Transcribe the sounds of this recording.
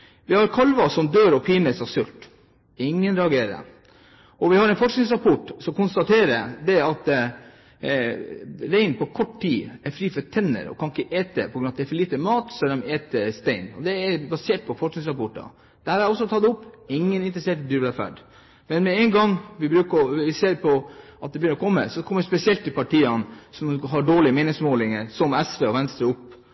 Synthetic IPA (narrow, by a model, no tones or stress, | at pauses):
ʋɪhɑɾkʰɑlʋɑsɔmd̪øːɾɔpʰiːnəsɑsʉlt̪ | ɪŋːənɾɛɑɡeːɾə̰ | ʔɔʋɪhɑɾɛɪnfɔʂknɪŋsɾɑpɔʈsɔmkʊnst̪ɑt̪ʰeːɾə̰d̪ɛɑt̪ | ɾæɪnpʰɔkʰɔʈːtiːæɾfɾiːfɔt̪ʰɛnːə̰ɾɔ̰kʰɑnɪkːəʔeːt̪ə̰pʰɔɡɾʉnɑt̪ɛæɾfɔɭiːt̪əmɑːt̪sɔd̪ɛmeːt̪əst̪æɪnɔ̰d̪ɛæɾbɑseːʈ̚pʰɔfɔʂknɪŋsɾɑpɔʈːɑ̰ | d̪̥ɛhæːɾæɾɔsːɔt̪ʰɑd̪ʊpːɪŋːənɪnt̪ɾəseːʈəd̪yːɾb̪æfæ̰ɖ | mɛnmɛɛɪŋɡɑŋʋɪbɾʉːkəʋɪseːɾpʰɔʔɑt̪d̪ɛbjʏnəɾɔkʰɔmːə̰sɔkʰɔmːəspɛsɪɛlt̪ːɪlpɑʈʰiːɑnsɔmɦɑɖoːɭɪmeɪnɪŋsmoːlɪŋəɾsɔmɛsʋeːɔʋɛnst̪ɾəɾʊpː